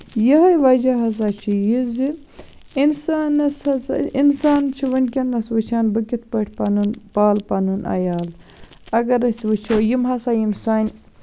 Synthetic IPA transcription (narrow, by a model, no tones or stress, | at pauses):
jɐɦɐjʋɐd͡ʒɐɦɐs̬at͡ʃʰijizi | insaːnɐshɐsinsaːnt͡ʃʰiʋɐnʲkʲɐnːɐsʋɐt͡ʃʰaːnbɨkʲit̪̚pɐʈʰʲpɐnunpaːlpɐnunʔɐ̰jaːl | ɐɡɐɾɐsʋɨt͡ʃʰoːjimɦɐsaːjimsaːnʲ